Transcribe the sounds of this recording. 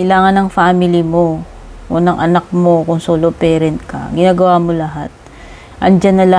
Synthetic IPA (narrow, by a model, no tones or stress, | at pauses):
ɐʔɪlaːŋɐnːɐŋfaːmɪlɪmo̞ | ʔonɐŋʔɐnak̚mo̞kʊŋsoːlopɛːɾɛnt̪̚kɐ̰ɡɪnaːɡɐwamo̞lɐɦat̪̚ | ʔɐnd͡ʒanːɐlɐ